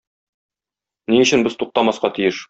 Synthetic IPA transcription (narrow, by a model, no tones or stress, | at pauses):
niɵ̆ɕɘ̆nbɘz̥t̪uq̚t̪ɑmɑsqɑt̪ijɘʃ